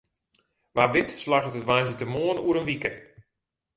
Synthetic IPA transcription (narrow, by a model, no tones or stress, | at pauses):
ʋaːʋɪtslaχətətʋajnsətəmoənuəɾənʋikə